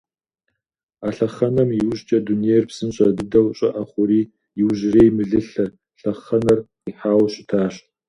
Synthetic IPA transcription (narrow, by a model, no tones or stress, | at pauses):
aːɬɐχɐnɐmjiwʑt͡ʃʼɐduniejrpsɨnɕʼɐdɨdɐwɕʼɐ̰ʔɐχʷʊɾiː | jɪwʒɪreːjmɨɮɨɬɐr | ɬɐχɐnɐr | iħaːwɕʼɪtʰaːɕ